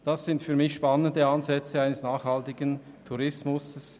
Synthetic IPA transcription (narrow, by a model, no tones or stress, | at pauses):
d̥asz̥ɪntfyːɐɾmɪçʃpanəndəanzɛt͡səaɪnəsnaːχhɑltɪɡən | tʰuʁɪsmʊsəs